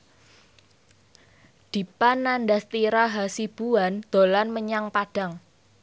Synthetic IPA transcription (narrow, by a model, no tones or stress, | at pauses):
d̪̥i̤panːandast̪iɾaɦasib̥uand̪̥o̤lanməɲaŋpad̥a̤ŋ